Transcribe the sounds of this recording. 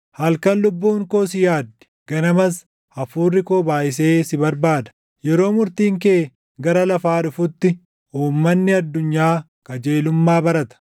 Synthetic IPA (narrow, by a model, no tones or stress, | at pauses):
hɐlkɐnlʊbːuːŋko̞ːs̬ɪjaːd̪ːɪ̥ | ɡ̥ɐnɐmɐs | ɐfuːrːɪkoːbaːʔɪs̬e̞ːsɪbɐɾbaːd̪ɐ̥ | jɛɾo̞ːmʊɾt̪iːŋk̬eː | ɡɐɾɐlɐfaːᶑʊfʊt̪ːɪ | ʔuːmːɐnːɪɐd̪ːʊɲːaː | kɐd͡ʒeːlʊmːaːbɐɾɐt̪ɐ̥